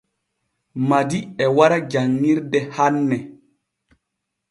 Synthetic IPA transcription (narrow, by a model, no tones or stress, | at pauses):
madiɛwaɾad͡ʒaŋːiɾdɛhanːɛ